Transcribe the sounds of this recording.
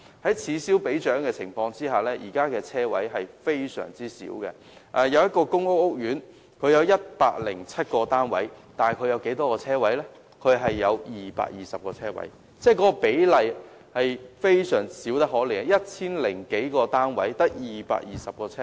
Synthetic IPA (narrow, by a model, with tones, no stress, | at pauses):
hɐ˨˥jt͡sʰiː˨˧siː˨˥wpe˨˥jt͡ʃœː˨˥ŋkɛː˧t͡sʰɪ˨˩ŋfɔː˧ŋt͡siː˥ɦaː˨˩lɛː˥jḭː˨˩kaː˥kɛː˧t͡sʰɛː˥wɐ̰˨˥jɦɐ˨jfe˥jsœ̰ː˨˩ŋt͡siː˥sḭː˨˥wkɛ̰˧ | ʔɛː˨jɐ˨˧wjɐ˥t̚kɔː˧kʊ˥ŋʊ˥k̚ʊ˥k̚jyː˨˥n | kʰɵ˨˧ɥjɐ˨˧wjɐ˥t̚paː˧k̚lɪ̰˨˩ŋt͡sʰɐ˥t̚kɔː˧t̪aː˥nwɐ̰˨˥jt̪aː˨˩kʰɵ˨˧jɐ˨˧wke˨˥jt̪ɔː˥kɔː˧t͡sʰɛː˥wɐ˨˥jlɛ˥ | kʰɵ˨˧ɥɦɐ˨jːɐ˨˧wjiː˨˩pa̰ː˧k̚jiː˨sɐ˨p̚kɔː˧t͡sʰɛː˥wɐ̰˨˥j | t͡sɛː˥˩kɔ˨˦˥kɔ˧pe˨˥jlɐ˨j | hɐ˨jfe˥jsœː˨˩ŋsiː˨˥wt̪ɐ˥k̚ɦɔː˨˥lɛː˨˩jɐ˥t̚t͡sʰiː˥nlɪ˨˩ŋke˨˥jkɔː˧t̪aː˥nwɐ̰˨˥jt̪ɐ˥k̚jiː˨˩pa̰ː˧k̚jiː˨˩sɐ˨p̚kɔː˧t͡sʰɛː˥